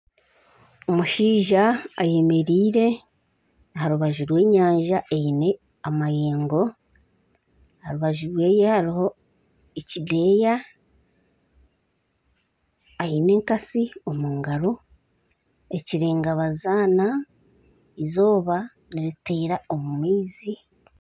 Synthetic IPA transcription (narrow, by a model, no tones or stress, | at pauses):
omuʃiːʒaːje̞me̞ɾiːɾe̞ | ɦaɾuβaʒuɾwe̞ːɲaːɲʒaʔejine | amajeːŋɡo̞ | haɾuβaʒuɾwe̞ːje̞haɾiho̞ | ecide̞ːja | jine̞ːŋkasio̞muːŋɡaɾo̞ | e̞ciɾe̞ːŋɡaβazaːna | izo̞ːβa | niɾiteːɾao̞mumiːzi